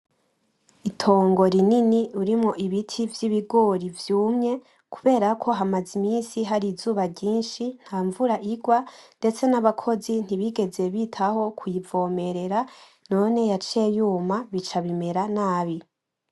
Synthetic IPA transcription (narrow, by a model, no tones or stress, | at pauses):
itʰo̞ːŋɡo̞ɾininiuɾimŋo̞ʔiβitʰivjiβiɡo̞ɾivjuːmɲe̞ | kuβe̞ːɾakʰo̞ɦamazimiːnsiɦaɾizuːβaɾɟiːnʃin̥haːɱvuɾaʔiɡwande̞t͡se̞naβakʰo̞zin̥iβiɡe̞ze̞βitʰaho̞kwivo̞ːme̞ɾe̞ɾa | no̞ːne̞jat͡ʃe̞juːmaβit͡ʃaβime̞ɾanaːβi